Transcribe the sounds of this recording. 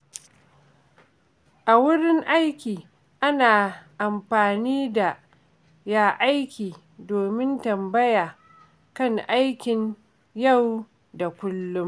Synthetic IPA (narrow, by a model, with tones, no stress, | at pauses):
ʔa˨wʊ˦ɽɪ˦ŋʔa˦jkʲiː˨ | ʔa˦naː˨ʔa˨mɸaː˨niː˦da˨ | jaː˦ʔa˦jkʲiː˨ | doː˨mɪ˦ntɐ˨mbɐ˦jaː˨ | kɐ˦ŋʔa˦jkʲɪ˨ɲ | ja˦˨w | da˨kʷʊ˦lːʊ˦m